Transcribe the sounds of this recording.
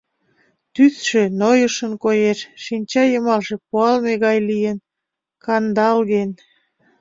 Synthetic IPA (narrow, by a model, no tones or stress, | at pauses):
t̪yθʃenojəʃənkojeʃʃinʲt͡ɕɑjəmɑlʃe̽puɑlmeɣɑjlijən | kɑnd̪ɑlɣen